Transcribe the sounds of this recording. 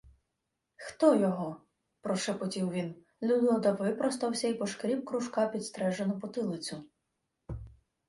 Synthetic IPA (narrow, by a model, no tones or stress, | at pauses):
xt̪ɔjɔɦɔ | pɾɔʃepɔtʲiwʋʲin | lʲud̪ɔd̪ɐʋɪpɾɔst̪ɐwsʲɐipɔʃkɾʲiwkɾʊʃkɑpʲid̪st̪ɾɛʒenʊpʊt̪ɪlˠɪt͡sʲʊ